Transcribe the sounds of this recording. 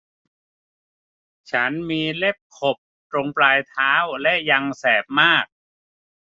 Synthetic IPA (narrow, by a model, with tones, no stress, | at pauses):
t͡ɕʰa˦˥nmiː˧le˥˩p̚kʰo˨˩p̚t̪ɾo˧ŋplaː˧jt̪ʰaː˦˥wlɛ˦˥ʔja˧ŋsɛː˨˩p̚maː˥˩k̚